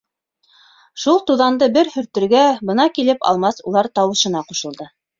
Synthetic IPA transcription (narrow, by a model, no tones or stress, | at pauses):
ʃulˠt̪uðɑnd̪ɤbɘɾhɵ̆ɾt̪ɵ̆ɾɡæbɤ̆nɑkilɘpɑ̰lˠmɑsṵlˠɑɾt̪ɑwɤ̆ʃɤ̆nɑquʃɤ̆lˠd̪ɤ